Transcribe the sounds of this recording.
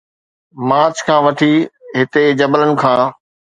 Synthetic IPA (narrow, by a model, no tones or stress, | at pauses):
mãːt͡ɕkʰãːʋɐʈʰiɦɪt̪ed͡ʑɐbələnɪ̆kʰãː